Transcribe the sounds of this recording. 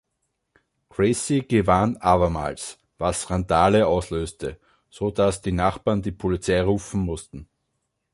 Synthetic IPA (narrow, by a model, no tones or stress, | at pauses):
kʁ̥esiɡ̥əvanʔaːβɐma̰ːls | vasʁandaːləaʊsløːstʰə | z̥od̥asd̥iːnaχb̥aːɐndiːpʰolɪt͡saɪʁuːfn̩mʊstn̩